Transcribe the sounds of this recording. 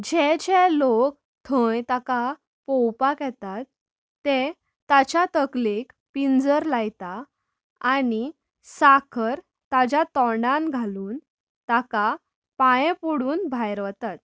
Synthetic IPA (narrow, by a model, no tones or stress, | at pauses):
d͡ʑed͡ʑelok̚ | t̪ʰə̃jt̪aka | pɔwpakɛt̪at̪ː | e | t̪at͡ɕat̪əklek | pind͡zəɾlajt̪aː | ni | sakʰəɾ | t̪ad͡ʑjat̪ɔɳɖãnɡʱaluːn | t̪aka | pajepuɽuːnbʱajɾʋət̪at̪̚